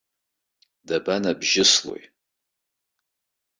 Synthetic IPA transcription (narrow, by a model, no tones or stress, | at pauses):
dabanabʒɪslo̰j